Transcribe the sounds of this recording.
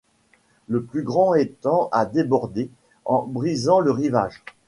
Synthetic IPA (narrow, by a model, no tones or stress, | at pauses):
ləplyɡʁɑ̃ɛt̪ɑ̃ʔad̪ebɔʁd̪e | ɑ̃bʁizɑ̃ləʁiva̰ːʒ